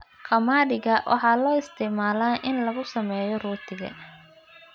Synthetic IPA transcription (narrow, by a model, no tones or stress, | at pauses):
qɑmaːdɪɣɐwʔɑ̰ħɑːlɔːɪst̪ʰɪʕmaːlaːnʔɪnlɐɣʊsɐmɛːjɔruːt̪ʰɪɣɐ̰